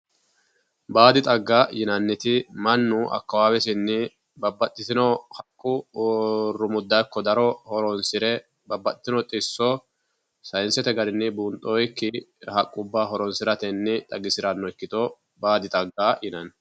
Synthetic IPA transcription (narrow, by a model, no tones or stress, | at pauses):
baːd̪ɪt̪ʼɐɡːaːjɪnɐnːɪt̪ɪmɐnːʊʔɐ̰kːɐwaːwɛs̬ɪnːɪ | bɐbːɐt̪ʼːɪt̪ɪnɔhɐkʼːʊ | rːʊmʊd̪ːɐkːɔd̪ɐɾɔhɔɾɔnsɪɾɛ | bɐbːɐt̪ʼːɪt̪ɪnɔt̪ʼɪsːɔ | sɐjɪnsɛt̪ɛɡɐɾɪnːɪbuːnt̪ʼɔjkːɪhɐkʼːʊbːaːɦɔɾɔnsɪɾɐt̪ɛnːɪt̪ʼɐɡɪsɪɾɐnːɔɪkːɪt̪ɔ | baːd̪ɪt̪ʼɐɡːaːjʔɪnɐn